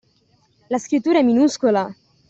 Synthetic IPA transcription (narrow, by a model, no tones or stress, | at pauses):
laskɾit̪ːuɾaɛminuskola